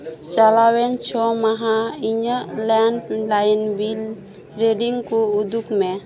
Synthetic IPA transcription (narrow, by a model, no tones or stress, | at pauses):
t͡ʃalawɛnt͡ʃʰɔmaɦaiɲəlɛnlajnbil | ɾeɖiŋkuud̪ukme